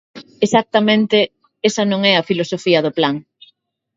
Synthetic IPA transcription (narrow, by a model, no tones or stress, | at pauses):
esak̚t̪ɐmẽnt̪e | esɐnõŋɛɐfilosofiɐðoplaŋ